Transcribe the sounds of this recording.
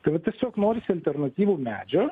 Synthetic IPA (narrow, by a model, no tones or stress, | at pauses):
t̪ɐɪʋɐt̪ʲiɛsʲoːknoːɾʲɪsʲɪɐlʲt̪ʲɛrnɐt̪ʲiːʋuːmʲæ̰ːd͡ʒʲo